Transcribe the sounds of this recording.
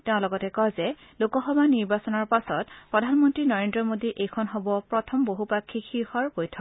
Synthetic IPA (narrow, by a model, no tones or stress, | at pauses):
teʊ̃lɔɡɔtɛkɔjzɛ | lokɔxɔbʱaniɹbasɔnɔɹpasɔtpɹɔdʱanmɔntɹinɔɹendɹɔmodiʔejkʰɔnɦobɔpɹɔtʰɔmboɦupakʰːixʰiɹxɔɹbojtʰɔk